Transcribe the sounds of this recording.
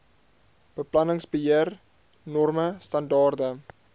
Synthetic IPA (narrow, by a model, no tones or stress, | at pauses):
b̥əplɐnəŋsbəɦiər | nɔrməstɐndɑːrdə